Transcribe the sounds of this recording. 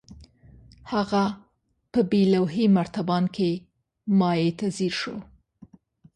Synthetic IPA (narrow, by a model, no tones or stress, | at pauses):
haɣa | pəbelawɦimaɾt̪abɑnke | mɑjet̪aziɾʃo